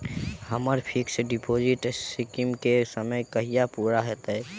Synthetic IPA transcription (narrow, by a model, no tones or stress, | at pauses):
həməɾpʰiksɖipod͡ʒɪʈsɪkimkesəməjkəɦijapuːɾaɦɛt̪ɦɛ